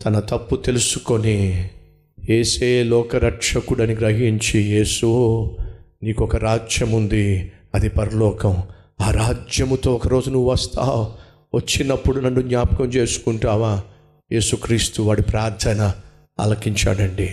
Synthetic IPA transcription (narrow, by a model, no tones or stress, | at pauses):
t̪ɐnɐt̪ɐpːut̪e̞lusu̥ko̞ni | eːseːlɔːkɐɾɐkʂɐkuɽɐniɡɾɐɦiɲt͡ʃije̞ːsu | niːkɔkɐɾaːd͡ʒjɐmund̪iɐd̪ipɐɾɐlɔːkɐm | aːɾaːd͡ʒjɐmt̪o̞ːɔkɐɾo̞ːd͡ʒunuʋːʋɐst̪ʰa̰ː | ʋɐt͡ʃːinɐpːuɽunɐnːuɡɲaːpɐkɐmt͡ʃe̞ːsu̥kuɳʈaːʋaː | je̞ːsukɾiːst̪uʋaːɽipɾaːɾd̪ʰʱɐnɐ | ɐ̰lɐkiɲt͡ʃa̰ːɽɐɳɖi